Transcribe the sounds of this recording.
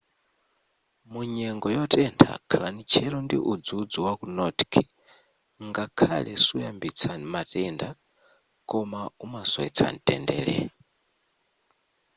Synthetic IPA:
muɲɛŋɡɔjɔtʼɛntʰa̰kʰalanit͡ʃʰɛɾɔndḭʔud͡zud͡zuwakunɔtkʰi | ŋɡakʰalɛsujambit͡sʰamatʼɛnda | kʼɔmaumasɔɛt͡sʰa̰n̩tʼɛ̰ndɛ̰ːɺɛ̰

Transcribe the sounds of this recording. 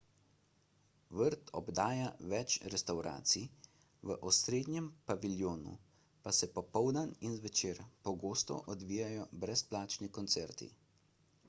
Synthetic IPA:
ʋəɾt̪ʰɔ̰bd̪aːjaʋɛt͡ʃɾɛst̪awɾa̰ːt̪si | ʋəʔɔsɾeːd̪njɛmpaʋiljoːnṵ | pasɛpɔpɔwd̪əninzʋɛt͡ʃeːɾpɔɡoːst̪ɔ̰ʔɔd̪ʋiːjajɔbɾɛsplaːt͡ʃnikɔnt̪sɛɾt̪ḭ

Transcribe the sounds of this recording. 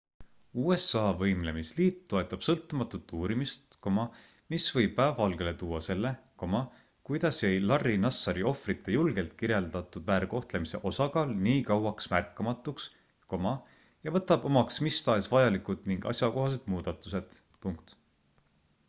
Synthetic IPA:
uːe̞sɑːvɤjmle̞misliːt̪t̪ːo̞e̞t̪ːˑɑb̥sɤlt̪ːˑumɑt̪ːut̪ːˑuːɾimist̪ko̞mɑ | misvɤjb̥̚pæːvɑlɡ̥e̞let̪uːwːɑse̞lːe̞ko̞mɑ | kujd̪̥ɑsjejlɑrːinɑsːɑɾio̞frit̪ːˑe̞julɡ̥e̞lt̪̚kiɾjeld̪̥ɑt̪ːˑud̪væːɾko̞ht̪lemise̞̰ʔo̞sɑkɑːlniːkɑwɑksmærkːˑɑmɑt̪ːˑuks | ko̞mɑ | jɑvɤ̞t̪ːˑɑb̥o̞mɑksmist̪ɑesvɑjɑlikud̪̥niŋɡ̥ɑ̰sʲjɑko̞ɦɑs̬e̞d̪̥muːd̪̥ɑt̪ːˑuse̞d̪̥ | puŋk̚t̪

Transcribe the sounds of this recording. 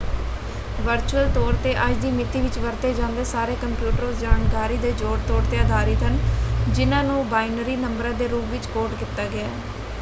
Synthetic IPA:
ʋəɾt͡ʃuəlt̪ɔːɾt̪eːʔəd͡ʒd̪iːmɪt̪ːiːʋɪt͡ʃʋəɾt̪eːd͡ʒãːnd̪eːsaːɾeːkəmpjuːʈəɾoːsd͡ʒaːɳkaːɾiːd̪eːd͡ʒoːɽt̪ɔːɽt̪eːəd̪ʱaːɾiːt̪ənd͡ʒɪnãːnũːbaːɪnəɾiːnəmbəɾãːd̪eːɾuːpʋɪt͡ʃkoːɾʈkɪt̪aːɡɪaː

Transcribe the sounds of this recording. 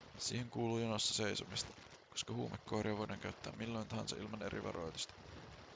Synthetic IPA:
sḭːheŋkuːluːjonost̪ːɑ̥se̞isomist̪ɑ̥ | koskɑhuːmekːoːɾiɑʋojdɑŋkæyt̪ːæ̰ːmːilːo̞jnt̪ɑɦɑnsɑ̰ʔilmɑne̞ɾḭʋɑ̰ɾo̞jt̪ust̪ɑ̥

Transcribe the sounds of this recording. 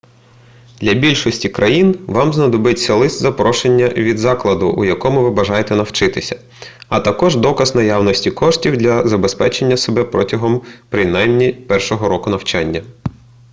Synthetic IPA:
d̪̥lʲɐbʲilʲʃɔsʲtʲikɾʔɐjinʋɑmznɐd̪ɔbɪtʲsʲɐlˠɪsʲt̪ʲzɐpɾɔʃe̞nʲːɐʋʲid̪zɑklˠɐd̪ʊʔṵjɐkɔmʊʋɪbɐʒɑjet̪ɛnɐwt͡ʃɪt̪ɪsʲɐ̥ | ɐt̪ɐkɔʒd̪ɔkɐznɐjɑwnɔsʲtʲikɔʃtʲiwd̪lʲɐzɐbespɛt͡ʃe̞nʲːɐsebɛpɾɔtʲɐɦɔmpɾɪnɑjmnʲipɛrʃɔɦɔɾɔkʊnɐwt͡ʃɑnʲːɐ

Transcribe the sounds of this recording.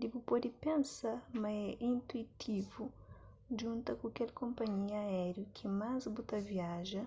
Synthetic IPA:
d̪ibupɔd̪ipẽnsamɐɛʔĩnt̪uit̪ʰivu | ʒũnt̪ɐkuakɛlkõmpɐɲiɐɛɾjukʰimazbut̪ɐviaʒɐ

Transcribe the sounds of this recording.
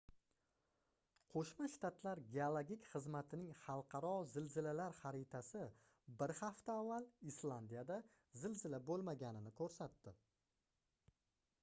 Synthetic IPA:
qʰoʃmaʃt̪ʰat̪laɾɡʲeolˠoɡʲɪkʲχɨzmat̪ʰɪnɪŋχɑlˠqʰɑɾɒzɪlzɪlalaɾχaɾɪt̪ʰasɪ | bɪɾχaft̪aːvːalislˠand̪ijad̪a | zɪlzɪlabolˠmaɡʲanɪnɪkʰɵɾsat̪ːɪ

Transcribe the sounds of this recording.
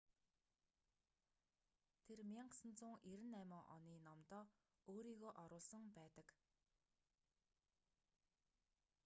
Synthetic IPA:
t̪ʰermjaŋksə̆nt͡sʊːŋeɾɘ̆næmə̆ŋʔɔ̰niːnɔmt̪ɔː | oːɾiːɣoːʔɔɾʊːɮsɞ̆ŋpæːt̪ə̆k

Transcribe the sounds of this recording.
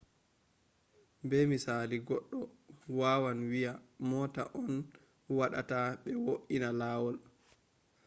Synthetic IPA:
bɛmisaliɡɔɗːɔ | waːwanwijamɔːtaʔɔn | waɗa̰taɓɛwoʔinalaːwɔl

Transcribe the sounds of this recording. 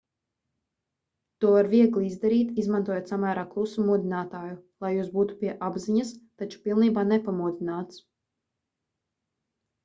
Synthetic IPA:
t̪uɔvaɾviɛɡlˠiizd̪aɾiːt̪izmant̪uɔjot̪samæːɾaːklˠusumuɔd̪inaːt̪aːjulˠajuːsbuːt̪u̥piɛʔabziɲast̪at͡ʃu̥pilˠniːbaːnɛpamuɔd̪inaːt̪s

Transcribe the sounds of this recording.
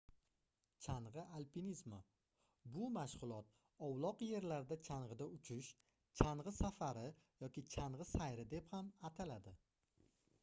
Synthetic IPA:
t͡ʃʰaɴʁɨalpʰinizma | bʊmaʃʁʊlˠɒt̪̚ | ɒwlˠɒqje̞ɾlaɾd̪at͡ʃʰaɴʁɨd̪aʊt͡ʃʰɪʃ | t͡ʃʰaɴʁɨsafaɾɪjɒkʲɪt͡ʃʰaɴʁɨsajɾɪd̪e̞phamat̪ʰalad̪ɪ

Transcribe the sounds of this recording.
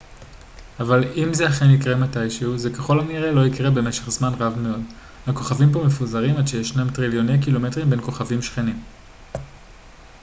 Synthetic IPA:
avalimzeaχenikʁematajʃeuze̞keχo̞lamniʁelo̞ikʁebe̞me̞ʃe̞χzmanʁavme̞od | hako̞χavimpo̞me̞fuzaʁimadʃejeʃnamtʁiljo̞ne̞jk̬ilo̞me̞tʁimbe̞nko̞χavimʃχe̞nim

